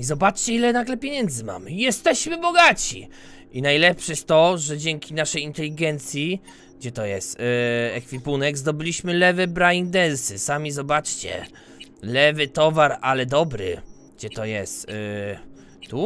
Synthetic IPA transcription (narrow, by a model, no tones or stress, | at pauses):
izɔbat͡ʂt͡ɕɛilɛnaɡlɛpʲjeɲɛnd̪zɘma̰mjɛst̪ɛɕmɘbɔɡat͡ɕḭ | inajlɛpʂɛjɛst̪ːɔʐɛd͡ʑɛŋkʲinaʂɛjint̪ɛlʲiɡɛnt̪sʲji | ɡd͡ʑɛt̪ɔjɛst̪ɛkfʲipunɛɡzd̪ɔbɘlʲiɕmɘlɛvɘbɾajind̪ɛnsɘsamʲizɔbat͡ʂt͡ɕɛ̰ | lɛvɘt̪ɔvaɾalɛd̪ɔbɾɘ̰ | ɡd͡ʑɛt̪ɔjɛst̪ | t̪u